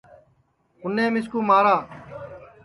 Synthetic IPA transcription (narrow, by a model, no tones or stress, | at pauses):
ʊnːẽːmɪskuːmaːɾaː